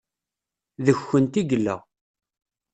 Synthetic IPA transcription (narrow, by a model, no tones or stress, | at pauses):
ðəçːənt̪iɡlːə̰ʁ